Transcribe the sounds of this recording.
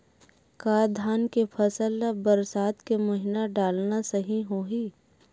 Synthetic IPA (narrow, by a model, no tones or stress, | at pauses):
kaːd̪ʱaːnkepʰɐsəlbɐɾsaːt̪kemɐɦɪnaɖaːlnasɐɦĩɦoːɦiː